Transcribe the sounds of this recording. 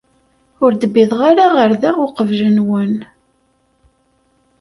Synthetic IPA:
ʊɾd̪əbːiðˤʁaɾaʁəɾðæʁʊqəvʒənwən

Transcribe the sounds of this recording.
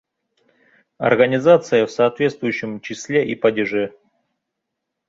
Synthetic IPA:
ɐ̰rɡənʲɪzat̪sɨjəfsɐːt̪vʲe̞t̪st̪vʊjʉɕːɪmt͡ɕɪsʲlʲe̞ʔipɐdʲɪʐɛ

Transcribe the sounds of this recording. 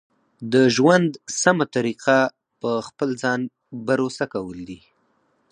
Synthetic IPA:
d̪əʒwand̪samat̪aɾiqa | pəxpəlzɑn | baɾosakawəld̪i

